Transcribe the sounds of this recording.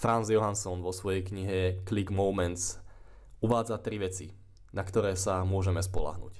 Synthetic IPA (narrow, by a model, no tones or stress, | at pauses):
fɾanzjɔɦansɔnʋɔsʋɔjɛjkɲiɦɛkliɡmɔʊmɛnt̪s | uʋaːd͡zat̪ɾiʋɛt͡si | nakt̪ɔɾɛːsamʊɔʒɛmɛspɔla̰ɦnṵc